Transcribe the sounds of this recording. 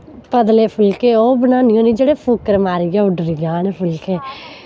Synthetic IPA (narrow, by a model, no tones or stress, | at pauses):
pəd̪leːpʰʊlkeːoːbənaːnɪjõːniːd͡ʒeːɽeːpʰʊkəɾmaːɾiɡeːʊɖɾiɡaːnepʰʊlkeː